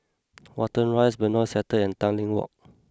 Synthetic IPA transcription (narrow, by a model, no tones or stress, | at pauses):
wɔtə̃nɹajsbənɔsɛtəɛ̃ntãnlĩŋwɔ̰k̚